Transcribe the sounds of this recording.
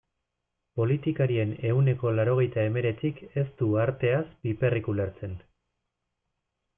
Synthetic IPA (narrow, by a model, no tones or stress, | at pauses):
po̞lit̪ikaɾie̞ne̞une̞ko̞laɾo̞ɣ̞e̞jt̪ae̞me̞ɾe̞t͡sike̞st̪uaɾt̪e̞asbipe̞rikuleɾt͡se̞n